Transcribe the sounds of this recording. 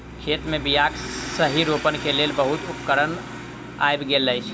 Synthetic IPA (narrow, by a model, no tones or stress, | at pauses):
kʰet̪mebijaksəɦiɾopənkelelbəɦut̪upkəɾən | a̰jbɡeləjt͡ʃʰ